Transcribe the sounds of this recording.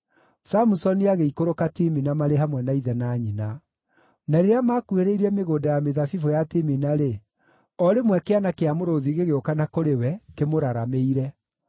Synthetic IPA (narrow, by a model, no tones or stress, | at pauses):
samusɔniaɣeikoɾokatiminamaɾeɦamwɛnaiðɛnaːɲina | naɾeɾeamakueɾeiɾiɛmeɣoːdajameðafifojatiminaɾe | ɔɾemwɛkeanakeamoɾoðiɣeɣeokanakoɾewɛkemoɾaɾameiɾɛ